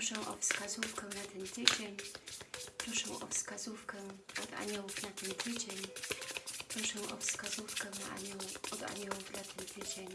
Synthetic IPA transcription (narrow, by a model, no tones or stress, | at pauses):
ʂɛw̃ʔɔ̰fskazufkɛwnat̪ɛnt̪ɘt͡ɕeɲ | pɾɔʂɛw̃ʔɔ̰fskazufkɛɔd̪a̰ɲɔwufnat̪ɛnt̪ʰɘd͡ʑeɲ | pɾɔʂɛw̃ʔɔfskazufkɛwna̰a̰ɲɔwɔd̪a̰ɲɔwuvd̪lat̪ʰɛnt̪ʰɘt͡ɕeɲ